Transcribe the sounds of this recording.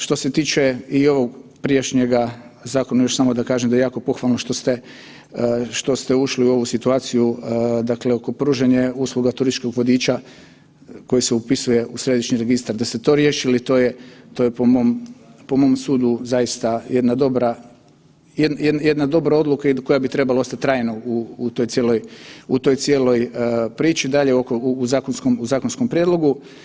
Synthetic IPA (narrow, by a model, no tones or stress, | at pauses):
ʃt̪o̞set̪iːt͡ʃe̞io̞ʋo̞ɡpɾijeʃɲeɡazaːko̞najo̞ʃsamo̞d̪akaːʒemd̪ajeaːko̞po̞xʋalˠnoʃt̪o̞st̪e | ʃt̪o̞st̪euʃliuo̞ʋusit̪uaːt̪sijud̪akleo̞ko̞pɾuːʒeɲeuːsluɡat̪uɾist͡ʃkoɡʋod̪iːt͡ʃa | ko̞jiseupisuje̞ʔusɾe̞d̪iʃɲiɾe̞ɡist̪aɾd̪ast̪et̪o̞ɾje̞ːʃilit̪oːjet̪ojepomoːmpo̞mo̞msuːd̪uzajist̪aje̞d̪nad̪o̞bɾa | jed̪njed̪njed̪nad̪o̞bɾao̞d̪lˠukaiko̞jabit̪ɾe̞balao̞st̪at̪ʲːɾaːjnouːt̪o̞jt̪sjelo̞jut̪o̞jt̪sje̞ːlo̞jpɾiːt͡ʃid̪aʎeokouːzaːkonskomuzaːkonsko̞mpɾʲjed̪lˠo̞ɡu